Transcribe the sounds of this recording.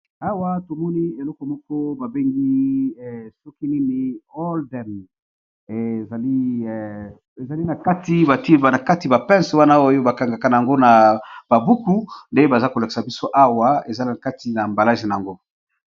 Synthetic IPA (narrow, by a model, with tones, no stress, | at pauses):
a˦wa˦to˨mɔ˦ni˦e˨lɔ˦kɔ˨mɔ˦kɔ˦ba˨be˦ŋɡi˦˨ | sɔ˦ki˦ni˦ni˦o˦ldɛ˨m | e˨za˨li˦ | e˨za˨li˦na˨ka˦ti˦ba˨ti˦ba˨na˨ka˦ti˨ba˨pɛ̃˦nse˨wa˦na˦o˦jo˦ba˨ka˨ŋɡa˨ka˨na˨ja˨ŋɡo˦na˨b̥a˨bu˦ku˦nde˦ba˨za˦ko˨la˨ki̥˨sa˨bi˦so˦ʔa˦wa˦e˨za˦li˦na˨ka˦ti˨na˨mba˨la˦ʒi˨na˨a˨ŋɡo˦